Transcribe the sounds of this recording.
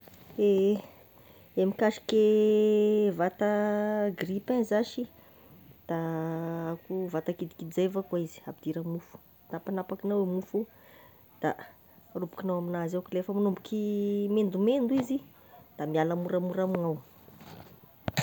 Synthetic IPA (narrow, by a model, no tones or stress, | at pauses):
e | emikaʃi̥ke | vat̪əɡripenzaʃi | d̪̥aakuvat̪akid̪i̥kiizevakaizi̥abid̪̥iɾamufu̥ | d̪̥apanapakinawemufu | d̪̥a | rubu̥kinawaminazakilefəmanumbukimend̪umend̪uizi | d̪̥amialamuɾamuɾamiŋaw